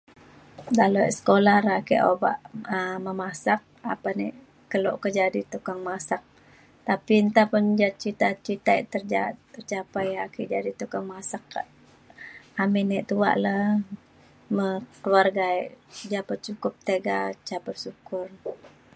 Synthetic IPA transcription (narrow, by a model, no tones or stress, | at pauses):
daloʔsə̥kolahɾakḭʔoba̰ʔəməmasak̚a̰panɛʔ | kəlo̰ʔkəd͡ʒadit̪ukaŋmasak̚ | t̪apint̪apənd͡ʒat̪̚t͡ʃit̪at͡ʃit̪aɛʔt̪ərd͡ʒat̪ːərt͡ʃapajakiʔd͡ʒadit̪ukaŋmasak̚ | amɛnɛʔt̪ua̰ʔlə | məkəwarɡaɛʔd͡ʒapət̪̚t͡ʃukʊp̚t̪eɡat͡ʃapərsukʊr